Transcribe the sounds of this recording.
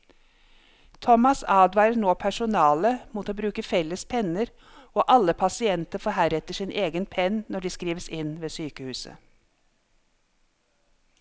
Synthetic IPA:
t̪ʰɔmɑsɑːd̪ʋɑːɾəɳoːpʰæʃʊnɑːləmuːt̪oːbɾʉːkəfɛləspʰɛnəɾ | oːʔɑləpʰɑsɪɛnt̪əɾfɔhæːɾɛt̪əʃiːnʔeːɡənpʰɛnnɔɖiːskɾiːʋəsɪnʋeːsyːkəhʉːsə̰

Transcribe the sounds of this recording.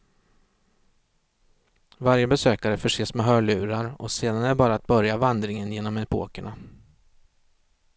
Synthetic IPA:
vaɾjəbɛsøːkaɾəfœʂeːsmɛɦœːɭʉ̟ːɾaɾɔseːd̪anæbɑːɾaːt̪̚bœɾjavand̪ɾɪŋənjeːnɔmɛpʰo̰ːkəɳa

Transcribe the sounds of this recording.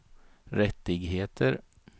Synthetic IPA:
ɾɛt̪ːɪɡɦeːt̪ʰəɾ

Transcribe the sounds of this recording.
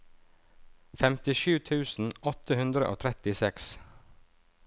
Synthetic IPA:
fɛmt̪ɪʃʉːt̪ʰʉːsn̩ɔt̪ʰəhʉnd̪ɾə̰ʔo̰ːt̪ʰɾɛt̪ɪsɛks

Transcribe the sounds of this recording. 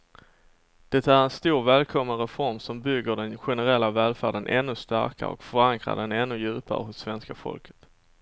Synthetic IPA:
d̪̥ɛt̪æɾɛnst̪uːɾvɛːlkʰɔmːənɾɛfɔɾmsɔmbʏɡːəɖɛnɧɛnəɾɛlːavɛːlfæːɖənʔɛ̰nːɵst̪æ̰ɾka̰ɔ̰kfœɾaŋkɾa̰ɖɛnɛnːɵjʉ̟ːpa̰ɾə̰ɦʊsːvɛnskafɔ̰lkʰə̥t̪

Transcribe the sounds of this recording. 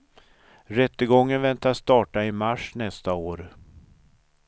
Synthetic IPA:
ɾɛt̪ːəɡɔŋːənvɛnt̪ast̪ɑːʈaɪmaʂnɛst̪aoːɾ

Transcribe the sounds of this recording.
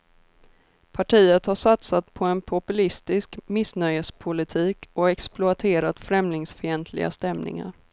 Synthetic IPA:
pʰaʈʰiːət̪haʂat̪sat̪pʰɔɛnpʰʊpɵlɪst̪ɪskmɪsnœjəspʰʊlɪt̪ʰiːkɔɛksplʊat̪ʰeːɾat̪fɾɛmlɪŋsfɪɛnt̪ʰlɪ̰ɡa̰st̪ɛmnɪ̰ŋa̰ɾ

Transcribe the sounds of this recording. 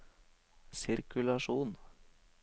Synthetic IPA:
sɪɾkʉlɑʃuːn

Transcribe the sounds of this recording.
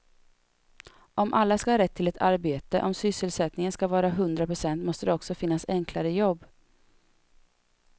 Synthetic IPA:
ʔɔmʔalːaskahɑːɾɛt̪ʰːɪlɛt̪ʰaɾbeːt̪əʔɔmsʏsːəlsɛt̪nɪŋənskavɑːɾaɦɵnd̪ɾapʰɾʊsɛnt̪mɔst̪əd̪ɛɔksɔfɪnːasɛŋklaɾəjɔbː

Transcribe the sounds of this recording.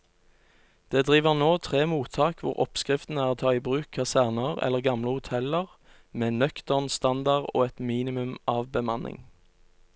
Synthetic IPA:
d̪̥eːd̪ʁiːʋəʁnoːt̪ʰʁeːmuːt̪ʰɑːkʋʊ̰ʁɔ̰pskʁɪft̪n̩əæːʁt̪ʰɑːiːbʁʉːkʰːɑsæʁnəʁɛ̰lːəʁɡɑmləhʊt̪ʰɛləʁ | meːnœkt̪əʁnst̪ɑnd̪ɑʁo̰ːɛt̪miːnɪmʉmɑːʋbəmɑnʔɪ̰ŋ

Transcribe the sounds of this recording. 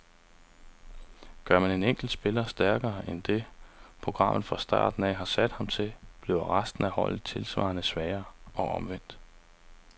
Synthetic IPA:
ɡ̥ɶɐmæne̝neŋ̰ɡ̥l̩d̥sb̥e̝lɐsd̥æɐɡ̥ɐːʔend̥e̝pʰʁo̝ɡ̥ʁɑ̈m̰ð̩ˠfʁɑ̈sd̥ɑ̰̈ːd̥n̩ɛ̰ɦɑ̈sæd̥hɑ̈mt͡sʰe̝b̥leʊɐʁasd̥n̩æhɒ̽l̰ð̩ˠt͡sʰe̝lsʋɑ̰̈ːnəsʋɛːɐɒ̽ʔɒ̽mʋen̰d̥

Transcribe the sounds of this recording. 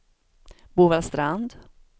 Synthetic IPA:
buːvalst̪ɾand̪

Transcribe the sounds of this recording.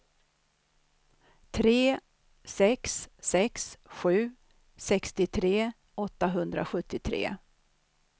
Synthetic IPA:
t̪ʰɾeː | sɛksːɛksɧʉ̟ː | sɛkst̪ɪt̪ʰɾeː | ɔt̪ːaɦɵnd̪ɾa̰ɧɵt̪ːɪt̪ʰɾḛː

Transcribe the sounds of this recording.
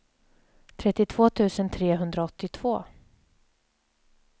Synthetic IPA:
t̪ʰɾɛt̪ːɪt̪ʰv̥oːt̪ʰʉ̟ːsənt̪ʰɾeːɦɵnd̪ɾaɔt̪ːɪt̪ʰv̥oː

